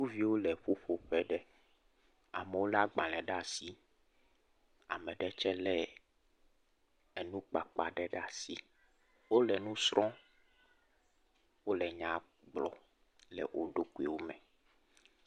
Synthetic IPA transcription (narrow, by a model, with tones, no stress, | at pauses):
ũ˦vi˦wo˦lɛ˨ɸo˦ɸo˨ɸɛ˦ɖɛ˦ | a̰˨mɛ˨wo˦la˦ɡ͡bã˨lɛ̃˨ɖa˦˨si˦ | a̰˨mɛ̃˨ɖɛ˦t͡ʃɛ˦lɛ˦ | ɛ˨nũ˦k͡pa˨k͡pa̰˨ɖɛ˦ɖa˦˨si˦ | wo˦lɛ˨nũ˦sɾɔ̃˦ | wo˦lɛ˨ɲã˨ | ɡ͡blɔ̰˨ | lɛ̰˨wʔo˦ɖo˦ku˦i˨wo˦mɛ̃˨